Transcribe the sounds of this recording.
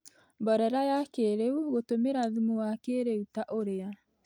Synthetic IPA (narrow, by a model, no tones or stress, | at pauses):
mbɔɾɛɾajakeɾeuɣotomeɾaðumuwakeɾeutaʔoɾea